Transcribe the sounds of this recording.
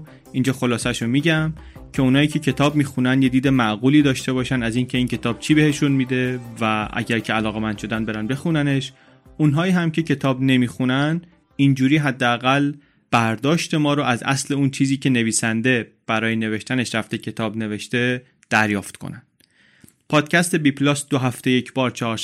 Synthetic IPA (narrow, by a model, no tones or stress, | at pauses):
ind͡ʒɒːxo̞lɒːsæʃomiːɟæm | cʰe̞unhɒːiːcʰe̞cʰe̞t̪ʰɒːbmiːxunænd̪je̞d̪iːd̪emæʔɣuːliːd̪ɒːʃt̪e̞bɒːʃænæziːncʰe̞iːncʰe̞t̪ʰɒːb̥̚t͡ʃʰiːbe̞heʃunmiːd̪e̞væʔæ̰ɟæɾcʰeælɒːɣe̞mænd̪̥ʃo̞d̪ænbe̞ɾænbe̞xunæne̞ʃ | unɦɒːiːɦæmcʰe̞cʰe̞t̪ʰɒːbne̞miːxunæn | ind͡ʒuːɾiːɦæd̪ːeæɣæl | b̥æɾd̪ɒːʃt̪e̞mɒːɾoʔæzʔæ̰sle̞unt͡ʃʰiːziːcʰe̞ne̞viːsænd̪e̞ | b̥æɾɒːjene̞ve̞ʃt̪æne̞ʃɾæft̪e̞cʰe̞t̪ʰɒːbne̞ve̞ʃt̪e̞ | d̪̥æɾjɒːft̪kʰo̰nænd̪ | pʰɒːd̪̥cʰæst̪e̞bipʰlɒːsd̪oɦæft̪e̞jecʰbɒːɾt͡ʃʰeɒːɾ